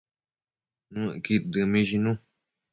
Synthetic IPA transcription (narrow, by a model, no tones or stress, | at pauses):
nũkid̪ɨmĩʃinũ